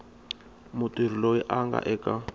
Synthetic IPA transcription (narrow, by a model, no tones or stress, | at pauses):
mutʼir̤ilojiʔaŋɡa̰ʔɛkʼa